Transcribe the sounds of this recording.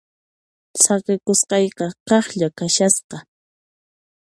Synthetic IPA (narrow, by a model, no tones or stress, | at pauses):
sɑqɪkʊsqɑjqɑqɑχʎakaʃasqɑ